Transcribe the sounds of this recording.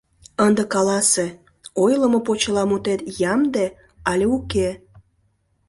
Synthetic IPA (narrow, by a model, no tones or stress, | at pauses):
ənd̪əkɑlɑse | ojləmopot͡ɕəlɑmut̪et̪jɑmd̪e | ɑlʲeuke